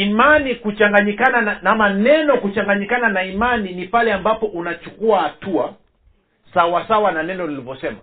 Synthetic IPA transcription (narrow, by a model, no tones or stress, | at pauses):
imanikut͡ʃaŋɡaɲikanananamanɛnɔkut͡ʃaŋɡaɲikananaimaninipalɛambapɔʔunat͡ʃukuahatua | sawasawananɛnɔnilivɔsɛma